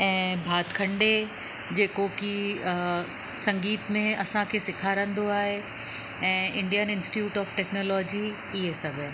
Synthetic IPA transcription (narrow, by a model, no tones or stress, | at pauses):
ɛ̃ːbʱaːt̪kʰɐ̃ɳɖe | d͡ʑeːkoki | sɐ̃ŋɡiːt̪mẽɐsãkʰeːsɪkʰaːɾə̃nd̪oaːɦe | ɛ̃ːɪ̃ɳɖijənɪ̃nsʈiuːʈɔːfʈɛːknoːlɔːd͡ʑi | iɦesɐɡʱe